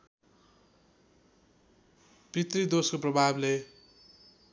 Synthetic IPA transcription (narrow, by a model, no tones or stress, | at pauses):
prit̪rid̪oskoprʌbʱable